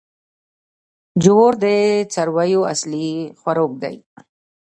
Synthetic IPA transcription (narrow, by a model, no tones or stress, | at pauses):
d͡ʒuwoɾd̪et͡saɾwajoaslixwaɾok̚ɡa̰j